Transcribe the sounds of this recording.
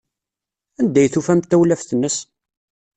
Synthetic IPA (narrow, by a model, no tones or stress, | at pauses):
ænd̪æjθufæmt̪ːæwlæfθənːəs